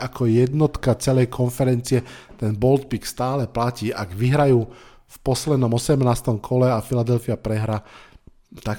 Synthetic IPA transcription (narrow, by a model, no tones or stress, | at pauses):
akʰɔjɛd̪nɔt̪kat͡sɛlɛjkʰɔnfɛɾɛnt͡siɪɛt̪ɛnbɔlt̪̚pikst̪aːlɛplaciːʔaɡʋiɦɾajuː | fpɔslɛd̪nɔmɔsɛmnaːst̪ɔmkʰɔlɛafilad̪ɛlfiapɾɛɦɾa | t̪ak